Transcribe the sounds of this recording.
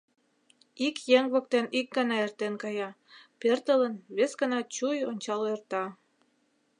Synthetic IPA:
ikjeŋβok̚t̪enik̚ɡənɑert̪enkɑjɑ | pert̪ələnβesɡənɑt͡ɕujonʲt͡ɕɑlert̪ɑ

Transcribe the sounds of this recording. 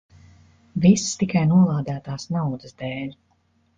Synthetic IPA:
vist̪ikajnuɔlˠaːd̪æːt̪aːsnawd̪ɨsd̪eːlʲ

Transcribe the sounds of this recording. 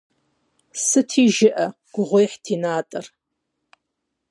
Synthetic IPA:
sɨtʰiːʒɪʔɐ | ɡ̥ʷʊʁʷʊjħtʰiːnaːtʼɐr

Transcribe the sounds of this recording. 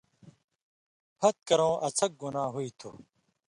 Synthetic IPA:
pʰɐt̪̚kɐɾõːʔɐt͡sʰɐk̚ɡunaːɦuit̪ʰṵ

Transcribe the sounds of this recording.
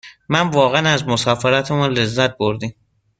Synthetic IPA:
mænvɒːɣænæzmosɒːfeɾæt̪ʰemunle̞zːæt̪̚boɾd̪im

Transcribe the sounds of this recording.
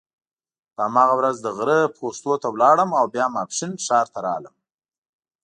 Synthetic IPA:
pəamɑɣawɾazd̪əɣɾəpost̪ot̪awlɑɽəmawbjɑmapʂinʃɑɾt̪aɾɑ̰ləm

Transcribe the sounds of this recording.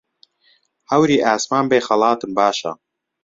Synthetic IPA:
hɐwɾiːʔaːsmaːnbeːxɐlˠɑːt̪ɨmbaːʃɐ̰

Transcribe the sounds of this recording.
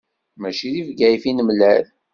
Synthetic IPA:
mæʃiðivɡæjfinəmlæl

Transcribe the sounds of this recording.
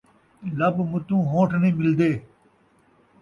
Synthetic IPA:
lɐbmʊt̪ũːɦõːʈʰnĩːmɪld̪eː

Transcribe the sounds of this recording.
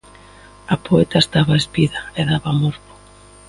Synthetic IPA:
apoet̪aest̪aβaespiðaeðaβamoɾβo̥

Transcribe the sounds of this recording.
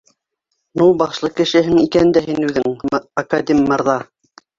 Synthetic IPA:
nulˠbɑʃlˠɤkɘ̆ʃɘ̆ɦɘŋikænd̪æɦinʉðɘŋɐkad̪ʲemʲːɑɾðɑ

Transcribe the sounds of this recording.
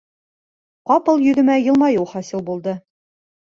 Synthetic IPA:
qɑpɤlˠjɵ̆ðɘ̆mæjɤ̆lˠmɑjuwχɒsɤlˠbulˠd̪ɤ

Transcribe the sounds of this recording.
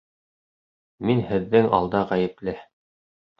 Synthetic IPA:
minhɘ̆ðːɘŋɑ̰lˠd̪ɑʁæjɘ̆plɘ

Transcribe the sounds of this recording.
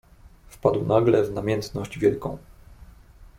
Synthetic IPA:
fpad̪wnaɡlɛvnamʲjɛnt̪nɔʑd͡ʑvʲjɛlkɔ̰̃w̃

